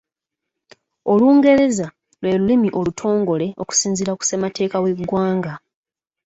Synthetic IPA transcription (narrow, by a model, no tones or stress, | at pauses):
o̞luːŋɡe̞ɾe̞za | lwe̞ːlulimiʔo̞lutʰo̞ːŋɡo̞le̞o̞̰ku̥siːnziɾaku̥semate̞ːkawe̞ɡwaːŋɡa